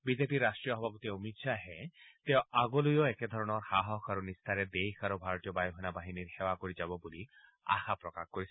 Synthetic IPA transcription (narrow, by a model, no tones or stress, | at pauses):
bizepiɾːastʈɹijɔɦɔbʱapɔt̪iomit̪saɦɛ̃t̪eʊ̃aɡɔlujɔeked̪ʱɔɹɔnɔɹhaɦɔkʰaɾunist̪ʰaɾɛd̪ejkʰaɾubʱaɹɔt̪ijɔbajɔɦɔnabaɦiniɹxewakoɹizabɔbuli | a̰xapɹɔkaxkoɹis